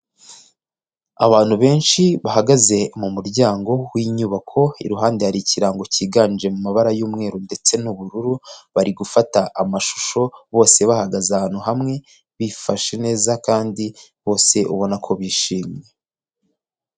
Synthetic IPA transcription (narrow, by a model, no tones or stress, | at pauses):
aβaːn̥huβe̞ːnʃiβahaɡaze̞mumuɾɟaːŋɡo̞wiːɲuːβakʰo̞ḭɾuɦaːndehaɾiciɾaŋɡociːɡaːnd͡ʒe̞mumaβaɾajuːmŋe̞ːɾunde̞t͡se̞nuβuɾuɾuβaɾiɡufataʔːmaʃu̥ʃo̞βo̞ːse̞βahaɡazahaːn̥huɦamŋe̞ | βifaʃene̞ːzakaːndiβo̞ːse̞ʔṵβo̞nakʰo̞βiːʃiːmɲe̞